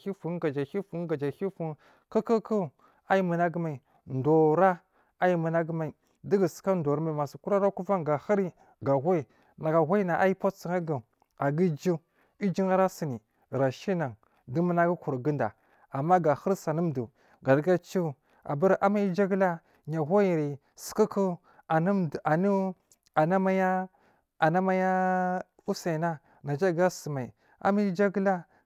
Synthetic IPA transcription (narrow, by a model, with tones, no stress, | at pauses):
i˦fu˨n˦ɡa˨d͡ʒa˨hi˦fu˨˦n˦ɡa˨d͡ʒa˨xi˦fu˦ | kə˦kə˦ku˦˨ | a˦i˦mə˨na˦ɡə˦ma˨i˨ | ndo˨ɾa˦ | a˦ji˦mə˨na˦ɡə˦ma˨i˨ | di˦ɡə˨si̥˨˦ka˦ndo˨ɾa˦ma˨ma˨si˨ku˦ɾa˦ɾa˦ku˦va˦ŋɡa˨xa˦ɾi˦ | ɡa˨ɣa˦i˨ | na˨ɡa˨ɣʷa˦i˦na˨ʔa˦i˦po˦si˨ŋa˦ɡa˨ | a˨ɡi˦d͡ʒi˦ | i˦d͡ʒi˦ŋa˦ɾa˦si˨ni˨ | ɾa˨ʃi˦na˨ŋ | du˦mə˦na˦ɡi˦ku˨ɾɡi˦nda̰˨ | a˨mːa˦ɡa˨xə˦ɾsa˨ni˦m˨du˨ | ɡa˨ɾɡa˦t͡ʃu˦ | a̰˨ba˦ɾʔa˦ma˦i˦d͡ʒa˦ɡla˦ | ɲa˨ɣo˦ji˨ɾi˨ | si̥˨ki˦ku˦ | a˨ni˦m˨a˨ni˦ | a˨na˦ma˦ja˦ | a˨na˦ma˦ja˦ | u˦sa˨i˨na˦ | na˨d͡ʒa˦˨ɡa˦sə˨ma˨i˨ | a̰˦ma˦i˦d͡ʒa˦ɡla˦